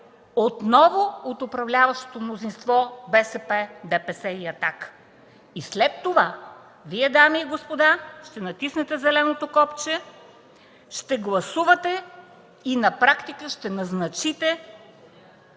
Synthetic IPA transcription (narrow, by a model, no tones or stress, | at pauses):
ot̪nɔvoot̪ʊpɾɐvlʲavɐʃt̪o̥t̪omnozinst̪vɔbɛsɛpɛd̪ɛpɛsɛiɐt̪ak | islɛt̪ːova | viɛd̪amiːɡospod̪aʃt̪ɛnɐt̪isnɛt̪ɛzɛlɛnot̪okɔpt͡ʃɛ | ʃt̪ɛɡlˠɐsuvɐt̪ɛ | inɐpɾakt̪ikəʃt̪ɛnɐznɐt͡ʃit̪ɛ